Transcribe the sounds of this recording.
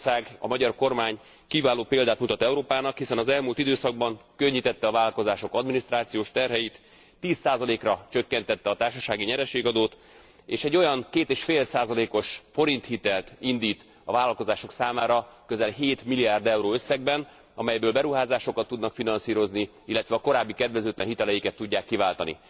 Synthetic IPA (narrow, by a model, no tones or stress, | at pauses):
saːɡɒ̰mɒɟɒrko̞rmaːɲ | kivaːloːpeːld̪aːt̪mut̪ɒt̪ɛuɾoːpaːnɒkhisɛnɒzɛlmult̪id̪øːsɒɡ̚bɒŋkøɲːit̪ɛt̪ːɛɒvaːlɒlko̞zaːʃo̞kɒd̪minist̪raːt̪sijoːʃt̪ɛrɦɛjit̪ː | iːsaːzɒleːkrɒt͡ʃøkːɛnt̪ɛt̪ːɛɒt̪aːrʃɒʃaːɡiɲɛɾɛʃeːɡɒd̪oːt̪ | eːʃɛɟːo̞jɒŋkeːt̪eːʃfeːlsaːzɒleːko̞ʃfo̞ɾint̪hit̪ɛlt̪ind̪iːt̪ | ɒvaːlɒlko̞zaːʃo̞ksaːmaːɾɒkøzɛlɦeːt̪miliaːrd̪ɛwɾoːøsːɛɡbɛn | ɒmɛjbøːlbɛɾuɦaːzaːʃo̞kɒt̪ːud̪nɒkfinɒnsiːɾo̞zni | ilːɛt̪ʋɛɒko̞ɾaːbːikɛd̪ʋɛzøːt̪lʔɛ̰nɦit̪ɛlɛjikɛt̪ːuɟːaːkːivaːlt̪ɒnḭ